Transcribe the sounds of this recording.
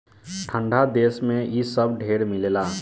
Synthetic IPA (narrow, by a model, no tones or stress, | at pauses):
ʈʰə̃ɳɖʱad̪eːsmẽisəbɖʱeːɾmɪleːlaː